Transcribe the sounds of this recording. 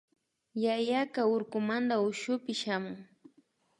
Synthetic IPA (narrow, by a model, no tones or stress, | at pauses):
jajakaʊɾkʊmand̪aʊʃʊpɪʃamʊŋ